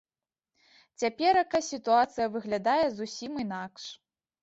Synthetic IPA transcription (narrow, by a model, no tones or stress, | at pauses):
t͡sʲapʲɛɾɐkasʲit̪uat̪sɨjɐvɨɣlʲad̪ajɛzusʲimɨn̪akʂ